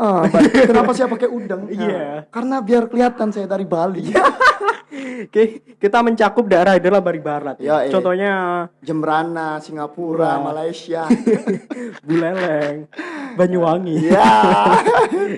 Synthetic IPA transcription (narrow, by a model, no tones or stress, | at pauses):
ʔəkənapasajapakeudəŋiakarənabiarkəliɦat̪ansajat̪aɾibali | kkit̪aməɲt͡ʃakʊp̚daeɾaidalahbaɾibaɾat̪̚at͡ʃɔnt̪ɔɲad͡ʒəməɾanasiŋɡapuɾamalajsia | bulɛlɛŋbaɲuaŋija